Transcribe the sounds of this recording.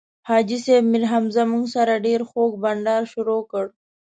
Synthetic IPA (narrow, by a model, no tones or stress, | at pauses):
hɑːd͡ʒisebmɪɾɦamzamuŋɡsaɾaɖeɾxoːk̚baɳɖɑːɾʃʊɾokəɽ